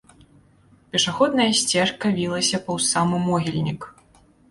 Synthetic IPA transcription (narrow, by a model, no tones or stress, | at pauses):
pʲɛʂaxɔd̪nɐjɐsʲt͡sʲɛrkɐvʲilˠɐsʲɐpɐwsamɨmɔɣʲilʲnʲik